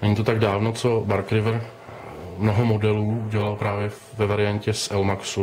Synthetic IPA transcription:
nɛɲiːt̪ot̪aɡdaːvnot͡so̞baɾkɾɪvɾ̩ | mnoɦomodɛluːuɟɛlalpɾaːvjɛ | vɛvaɾɪjaɲcɛsʔɛlmaksu

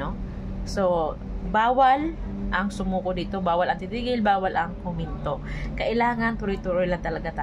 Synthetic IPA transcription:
o | so̞ | baːwɐl | ʔɐŋsʊmuːkod̪iːt̪o̞baːwɐlɐŋt̪ɪt̪iːɡɪlbaːwɐlʔɐŋkʊmɪnt̪o̞ | kɐʔɪlaːŋɐnt̪ʊɾʊjt̪uɾojlɐŋt̪ɐlɐɡat̪a

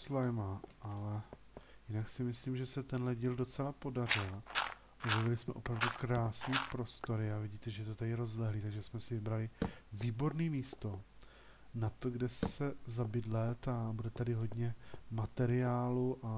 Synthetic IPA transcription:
slajmaʔalɛ | jɪnaksɪmɪsliːmʒɛsɛt̪ɛnɦlɛɟiːldo̞t͡sɛlapo̞dar̝ɪl | ʔobjɛvɪlɪsmɛ̰ʔo̞pɾavdukɾaːsniːpɾo̞st̪o̞ɾɪavɪɟiːt̪ɛʒɛjɛt̪ot̪adɪɾo̞zlɛɦliːt̪aɡʒɛsmɛsɪvɪbɾalɪviːbo̞ɾniːmiːst̪o̞ | nat̪o̞ɡdɛsɛzabɪdlɛt̪abudɛt̪adɪɦo̞d̪ɲɛmat̪ɛɾɪaːluʔa

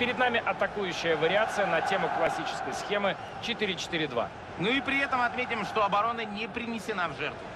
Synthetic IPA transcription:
pʲɪɾʲɪd̪namʲɪʔɐt̪ɐkujʉɕːɪjəvəɾʲɪat̪sɨjənɐtʲe̞mʊklˠɐsʲit͡ɕɪ̥skəjsxʲe̞mɨ | t͡ɕɪt̪iɾʲɪt͡ɕɪ̥t̪iɾʲɪd̪va̰ | nuipɾʲɪɛt̪əmɐt̪mʲetʲɪmʂt̪o̞ɐbɐɾo̞nənʲɪpɾʲɪnʲɪsʲɪnavʐɛrt̪vʊ

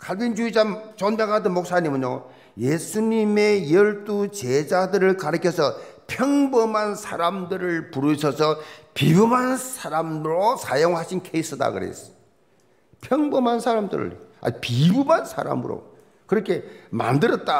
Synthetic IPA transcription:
kʰaɭbind͡ʑuid͡ʑat͡ɕonbjaŋɦadɯnmok̚s͈aɲimɯnjo | jesʰuɲime̞jʌɭt͈ut͡ɕed͡ʑadɯɾɯɭkaɾɯkʰjʌsʰʌpʰjʌŋbʌmansʰaɾamdɯɾɯɭpuɾɯɕʰʌsʰʌpibumɦansʰaɾamɾosʰajoŋɦaɕʰinkʰeis͈ɯda̰kɯɾḛs | pʰjʌŋbʌmansʰaɾamdɯ̰ɾɯ̰ɭa̰pibumansʰa̰ɾa̰mɯ̰ɾo̰ | kɯɾʌkʰe̞ma̰ndɯɾʌt̚t͈a

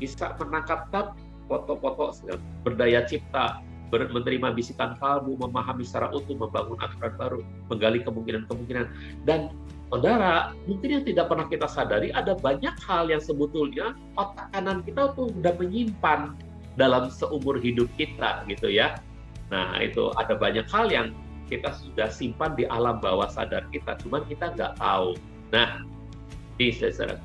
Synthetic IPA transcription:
b̥isa̰mənakap̚t̪ap̚ | pɔt̪ɔʔpɔt̪ɔʔsiŋa̰bərdajat͡ʃip̚t̪a | bərmənəɾimabisik̪anfalbuməmaɦamisaɾa̰ʔut̪ʊməmbaŋʊnʔa̰t̪uɾanbaɾu | məŋɡalikəmuŋkinankəmuŋkinan | dan | sodaɾamuŋkɪnjaŋt̪idak̚pərnahkit̪asadaɾiʔadabaɲak̚haljaŋsəbət̪ʊlɲa | ot̪akanankit̪at̪udaʔməɲimpan | dalamsəʔumʊrɦidʊp̚kit̪a̰ɡit̪uja | na̰hḭt̪ṵʔa̰dabaɲakhaljaŋ | kit̪asudahsimpandiʔa̰lamba̰wasa̰darkit̪a̰t͡ʃumankit̪aŋɡa̰ʔt̪a̰u | nah | nisja̰sda̰ɾa̰

